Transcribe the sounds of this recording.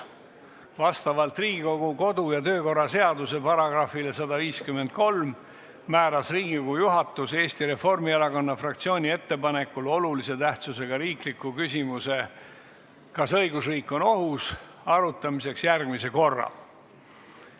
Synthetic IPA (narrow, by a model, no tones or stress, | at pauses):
vɑst̪ɑvɑlt̪riːɡ̥iko̞ɡ̥uko̞d̪ujɑt̪ø̞ːko̞rːɑse̞ɑd̪use̞pɑɾɑɡ̥rɑfilesɑd̪ɑviːskymːe̞nd̪̚ko̞lm | mæːɾɑsriːɡ̥ioɡujuɦɑt̪ːˑuse̞ːst̪iɾe̞fo̞rmiɑlɑkɑnːɑfrɑkt̪sio̞ːnʲie̞t̪ːe̞pɑne̞kːulo̞lulise̞t̪æht̪suse̞ɡ̥ɑɾiːklikːˑukysʲimuse̞ | kɑsɤ̞jɡusriːkːˑo̞no̞ɦus | ɑɾut̪ːˑɑmise̞ksjærɡmise̞ko̞rːɑ̰